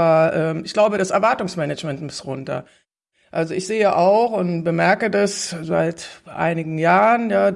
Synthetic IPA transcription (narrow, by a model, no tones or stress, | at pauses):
ɐʔɛːmɪçɡ̥laʊbəɾasɛɐvaɐtʊŋsmɛnɛt͡ʃmɛntmʊstʁʊntɐ̰ | ʔalzoɪçz̥eːəʔaʊxʊntb̥əmɛɐkədasza̰ɪtʔa̰ɪnɪɡŋ̩jaːʁənjaː